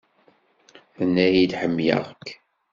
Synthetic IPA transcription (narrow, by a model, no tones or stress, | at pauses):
θənːæjid̪ħəmːjə̰ʁkː